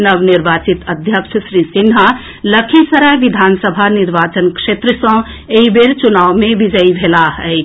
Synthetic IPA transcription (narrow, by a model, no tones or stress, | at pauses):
nəbniɾbaːt͡ʃit̪əd̪ʱjəkʂsɾisinɦa | ləkʰisəɾaʋid̪ʱansəbʱaniɾʋaːt͡ʃənkʂet̪ɾəsə̃ | eibeɾt͡ʃunaːwmẽʋid͡ʒəibʱelaɦɛɪ